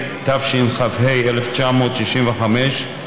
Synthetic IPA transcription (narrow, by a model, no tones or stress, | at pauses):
tafʃinχavhejʔeleft͡ʃamoːt̪ʃiʃimveχameʃ